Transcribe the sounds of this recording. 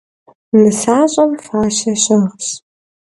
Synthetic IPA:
mɨsaːɕʼɐmfaːɕɐɕɐʁɕ

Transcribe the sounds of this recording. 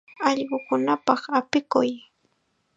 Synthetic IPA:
ɑʎɢʊkʊnapɑχapɪkʊj

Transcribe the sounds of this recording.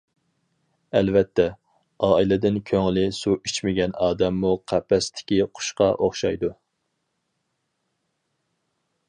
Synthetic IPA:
ɛlvɛt̪ʰːɛ | ɑːilɪd̪ɪnkʲʰøŋlɪsuit͡ʃmɪɡʲɛnɑːd̪ɛmːuqʰæpʰːɛst̪ʰɪ̥kʲiqʰʊ̥ʃqɑʔoχʃɑjd̪u

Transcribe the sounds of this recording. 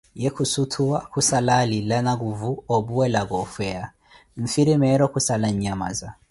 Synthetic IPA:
jɛkusutʰuakʰusalalilanaɣuvuɔbuwɛlaɣɔfɛa | ɱ̩fiɾimɛɾɔkusalaɲama̰za

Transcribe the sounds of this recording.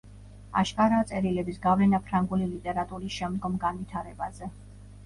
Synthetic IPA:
a̰ʃkʼaɾaːt̪sʼɛɾilɛbisɡavlɛnapʰɾaŋɡulilit̪ʼɛɾat̪ʼuɾisʃɛmd̪ɡɔmɡanvit̪ʰaɾɛbazɛ

